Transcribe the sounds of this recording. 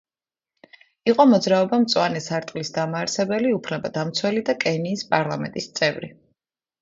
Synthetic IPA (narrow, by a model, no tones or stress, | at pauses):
iqʼɔmɔd̪zɾaɔbamt̪sʼwanɛsaɾt̪ʼlisd̪amaːɾsɛbɛliupʰnɛbad̪amt̪sʰwɛlid̪akʼɛniːspʼaɾlˠamɛnt̪ʼist̪sʼɛvɾi